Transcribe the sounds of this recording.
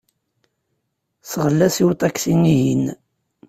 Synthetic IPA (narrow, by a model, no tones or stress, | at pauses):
sʁəlːæsiwt̪ˤɑksiniɦin